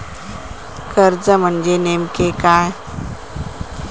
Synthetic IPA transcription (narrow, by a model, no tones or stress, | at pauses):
kəɾd͡zəm̤əɳd͡ʑenemkekaːj